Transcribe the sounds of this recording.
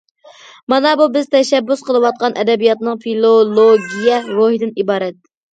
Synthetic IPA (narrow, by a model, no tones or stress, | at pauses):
mɑnɑbubɪzt̪ʰɛʃɛbːusqəlˠɨwɑt̪̚qɑnʔɛd̪ɛbijɑt̪nɨŋfilˠolˠoɡʲijɛɾoɦid̪ɪnibɑːɾɛt̪̚